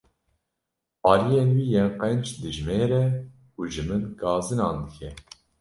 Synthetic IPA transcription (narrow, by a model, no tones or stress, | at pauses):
ɑːlijeːnwiːjenqɛnt͡ʃd̪ɨʒmeːɾɛ | uːʒɨmɨnkɑːzɨnɑːnd̪ɨkʲʰɛ